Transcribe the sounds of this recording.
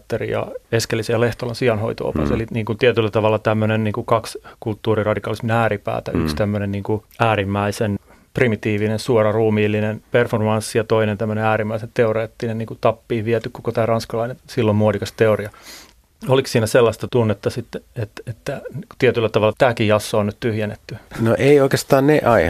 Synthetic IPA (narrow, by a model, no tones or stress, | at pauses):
t̪ːerḭjɑ̰eskelːisejɑleht̪olɑnsiɑnho̰it̪o̰o̰pɑ̰sḛliniːŋkunt̪iɛt̪ylːæt̪ɑʋɑlːɑt̪æmːønenniːŋkukɑkskult̪ːuːrirɑdikɑːlisminæːripæ̰ːt̪æykst̪æmːønenniːŋkuæːrimːæisen | primit̪iːʋinensuorɑruːmiːlːinenperformɑnsːijɑt̪oinent̪æmːøneæːɾimːæisent̪eoreːt̪ːinenniːŋkut̪ɑpːiːʋiɛt̪ykkokot̪æːrɑnskɑlɑinensilːommuodikɑst̪eoriɑ | oliksiːnæselːɑst̪ɑt̪unːet̪ːɑsit̪ːeet̪et̪ːæku̥t̪iɛt̪ylːæt̪ɑʋɑlːɑt̪æːkijɑsːoːnnyt̪t̪yhjenːet̪ːynoʔeioikest̪ɑːnneʔɑi